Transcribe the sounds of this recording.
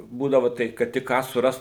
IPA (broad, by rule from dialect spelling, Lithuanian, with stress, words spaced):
ˈbuːdɐʋoː ˈtɐɪp kɐt ˈtʲɪk ˈkɑː sʊˈrɐst